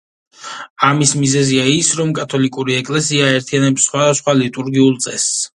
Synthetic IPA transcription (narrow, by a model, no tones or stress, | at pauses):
amismizɛziaisɾɔmkʼat̪ʰɔlikʼuɾiɛkʼlɛsiaɛɾt̪ʰianɛpsːχwad̪asχwalit̪ʼuɾɡiulˠt̪sʼɛs